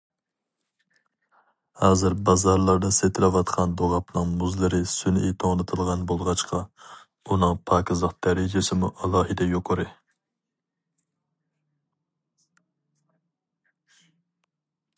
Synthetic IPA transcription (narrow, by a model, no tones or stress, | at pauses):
hɑːzɨɾbɑzɑɾlˠɑɾd̪ɑset̪ʰɪlɛwɑt̪qʰɑnd̪oʁɑpnɨŋmuzlˠɨɾɨsynḭt̪ʰoŋlˠɨt̪ʰɨlˠʁɑnbolˠʁɑt͡ʃqʰɑ | unɨŋpʰɑːkʲɪzlˠəqd̪̥ɛɾɪd͡ʒesɪmuʔɑlˠɑːɦɨd̪ɛjoqʰəɾɨ